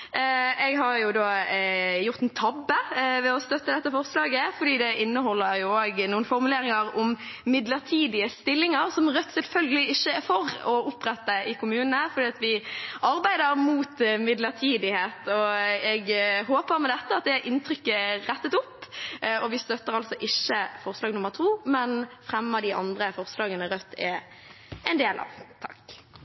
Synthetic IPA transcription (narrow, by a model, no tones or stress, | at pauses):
ɛɡɦɑɾjʊd̪oːjʊɾt̪ɛnt̪ʰɑbːəʋɛɔst̪œt̪ːəd̪ɛt̪ːəfɔʁslɑːɡəfɔd̪iːd̪ɛʔɪnːəɦɔlːəɾjʊoːɡnuːən̩fɔɾmʉleːɾɪŋəɾɔmmɪd̪ləʁt̪ʰiːd̪ɪəst̪ɪlːɪŋəɾsɔmʁœt̪sɛlfœlɡəlɪɪçːəfɔʁɔʊpːʁɛt̪ːəɪkʊmʉːnnəfɔd̪iːɑt̪ʋɪɑɾbæɪd̪əɾmuːt̪mɪd̪ləʁt̪ʰiːd̪ɪheːt̪ɔɛɡɦoːpəɾmɛd̪ɛt̪ːəɑt̪̚d̪ɛʔɪnt̪ʰʁʏkːəʁɛt̪ːət̪ʊpːɔʋɪst̪œt̪ːəʁɑlsɔʔɪçːəfɔʁslɑːɡnʊmːəʁt̪ʰuːmɛnfʁɛmːɑd̪ɪʔɑ̰nd̪ʁəfɔʁslɑːɡənəɾœt̪ʰːɛ̰ | ɛɪnd̪eːlʔɑ̰ʋt̪ʰɑ̥k